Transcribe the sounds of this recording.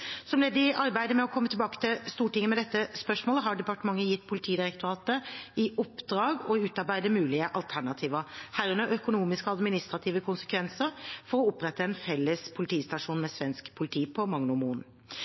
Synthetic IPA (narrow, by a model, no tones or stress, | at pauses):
sɔmlɛːd̪əɪʔɑɾbæɪd̪əmɛɔkʰɔmːət̪ʰɪbɑːkə̥t̪ʰɪlst̪uːʈɪŋːəmɛd̪ɛt̪ːəspœʂmoːləɦɑɖɛpɑʈəmɑŋːəjɪt̪ːpʰʊlɪt̪ʰiːd̪ɪɾɛk̚t̪ʊɾɑːt̪əɪʔʊpːd̪ɾɑːɡɔɪʉːt̪ɑɾbæɪd̪əmʉːlɪəʔɑlt̪ʰæɳɑt̪ʰiːʋəhæːɾʉnəʔœkʊnuːmɪskəɑd̪mɪnɪst̪ʁɑt̪ʰiːʋəkʰʊnsə̥kʰʋɛnsəɾfɔɾɔʊpːɾɛt̪ːəɛnfɛlːəspʰʊlɪt̪ʰiːst̪ɑʂuːnmɛsʋɛnskpʰʊlɪt̪ʰiːpʰɔmɑŋnʊmuːn